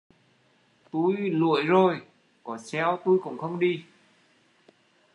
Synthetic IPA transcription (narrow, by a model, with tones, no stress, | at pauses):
t̪u˧jlṵ˧˨əjzo˨˩j | kɔ˨˦sɛ˧wt̪u˧jkʊ̰˧˥ŋ͡mxə˧wŋ͡mɗi˧